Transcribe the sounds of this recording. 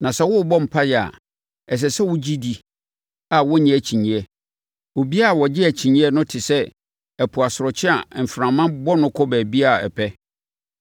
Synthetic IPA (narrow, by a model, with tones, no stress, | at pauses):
nã˨sɛ˦wʊ˦˨bɔ˦m̩˨pʰa˦jɛ˨a̰˨ | ɛ˨s̬ɛ˨sɛ˦wʊ˦d͡ʑi˦di˦ | a˨wɔ˦ɲɪ̃˨æ˨t͡ɕʰĩ˨ɲĩ˨ɛ˦ | wo˨bi˦a˦a˨wɔ˨d͡ʑɪ˦æ˨t͡ɕʰĩ˨ɲĩ˦ɛ˦nʊ̃˦tʰɪ˨sɛ˦ | ɛ˨pʰʊ˨a˨sʊ˨ɾɔ˨t͡ɕʰɪ˦a̰˨m̩˨fɾã˨mːã˦bɔ˦nʊ̃˦kʰɔ˦bɛː˨bi˦a˦˨ɛ̰˨pʰɛ˦